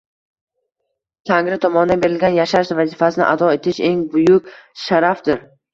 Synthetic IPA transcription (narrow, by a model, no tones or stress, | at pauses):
t̪ʰaŋɾɪt̪ʰɒmɒnɪd̪abe̞ɾɪlɡʲanjaʃaɾʃvazifasɪnɪ̰ʔad̪ɒe̞t̪ʰɪʃe̞ŋbʊjʊkʲʃaɾafd̪ɪɾ